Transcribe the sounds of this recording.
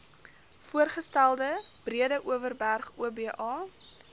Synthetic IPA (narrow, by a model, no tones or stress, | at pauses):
fuərχəstælˠdəb̥riədəʔuəvərbærχuəbiəʔɑː